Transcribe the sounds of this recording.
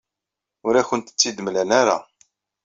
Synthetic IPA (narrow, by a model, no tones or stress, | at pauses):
ʊɾæçənt̪ə̥t͡sːid̪əmlænaɾa̰